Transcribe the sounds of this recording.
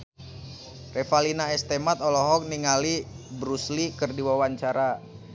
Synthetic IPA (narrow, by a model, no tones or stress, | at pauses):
refalinaɛst̪emat̪ɔlɔɦɔk̚niŋali | bɾuslikərdiwawaɲt͡ʃaɾa